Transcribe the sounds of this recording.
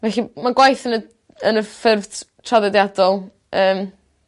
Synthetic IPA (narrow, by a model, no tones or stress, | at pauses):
vɛɬimaɡwajθənə | ənəfɪrvdtʰraðɛdjadɔlˠ | əːm